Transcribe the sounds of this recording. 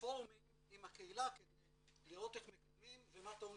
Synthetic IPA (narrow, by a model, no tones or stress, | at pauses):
oʁmim | imakeilake | liʁo̞t̪eχmekad̪mimvemat̪o